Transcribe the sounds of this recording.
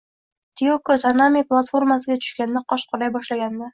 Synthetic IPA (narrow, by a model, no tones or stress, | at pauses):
t̪ʰiokot̪ʰanamʲiplˠat̪fo̞ɾmasɪɡʲat̪ʰʊ̥ʃkʲand̪aqʰɒʃqʰʊɾajbɒʃlaɡʲand̪a